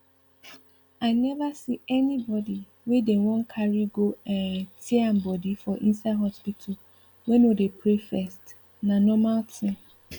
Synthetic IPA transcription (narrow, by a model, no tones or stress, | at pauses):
aɪnɛvasiɛnĩbɔdi | wedewɔ̃ŋkʰaɾiɡoɛ̃tʰiam̩bɔdifɔʔĩnsadhɔspitʰʊ | wɛ̃nodepʰɾefɛst | nãnɔ̃maltʰɪ̃m